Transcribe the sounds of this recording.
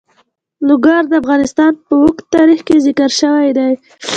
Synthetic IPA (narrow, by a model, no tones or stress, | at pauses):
lʊɡɑɾd̪əafɣɑnɪst̪ɑnpəwʊkt̪ːɑɾixkezɪkəɾʃəwajd̪aj